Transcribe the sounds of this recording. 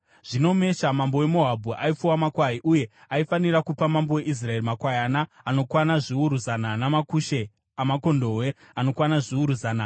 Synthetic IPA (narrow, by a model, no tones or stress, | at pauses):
ʐ̥ino̞me̞ʃamambo̞we̞mo̞ɦabʱuʔaip͡fuwamakwaɦiʔuje̞aifanirakupamambowe̞ʔis̬rae̞rimakwajanaːno̞kwanaʐiuɾuzananamakuʃe̞ | amako̞ndo̞ɦwe̞ | ano̞kwanaʐiuɾuzaːna